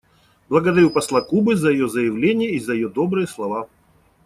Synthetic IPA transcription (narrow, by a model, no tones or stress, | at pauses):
blˠəɡəd̪ɐɾʲupɐslˠakubɨzəjɪjozəjɪvlʲenʲɪjəizəjɪjod̪obɾɨjəslˠɐva